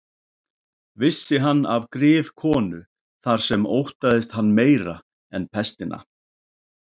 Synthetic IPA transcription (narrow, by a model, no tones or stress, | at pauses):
vɪsːɪɦanːa̰vkɾɪːðkʰɔːnʏ | θaɾ̥sɛmowht̪aðɪst̪hanːmeːjɾa | ɛnpʰɛst̪ɪna̰